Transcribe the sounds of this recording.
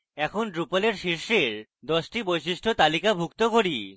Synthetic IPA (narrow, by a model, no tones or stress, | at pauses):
ɛkʰonɖɾupaleɾʃiɾʃeɾ | d̪ɔʃʈibojʃ̬iʃʈʰot̪alikabʱukt̪okoɾi